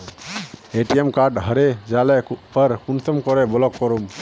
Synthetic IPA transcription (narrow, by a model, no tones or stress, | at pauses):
eʈiemkaɖɦəɾed͡ʒalɛpəɾkunt̪ɔmkɔɾɛbɔlɔkːɔɾum